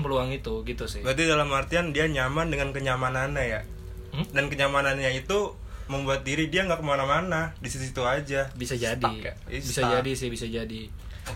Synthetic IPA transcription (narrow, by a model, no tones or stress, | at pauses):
pəluaŋit̪uɡit̪usɪhbəɾat̪idalamart̪iandiaɲamandəŋankəɲamanaɲaja | dankəɲamananɲait̪u | məmbuat̪̚diɾidiaŋɡaʔkəmanamanadisit̪usit̪uad͡ʒabisad͡ʒad | bisad͡ʒadisɪhbisad͡ʒadi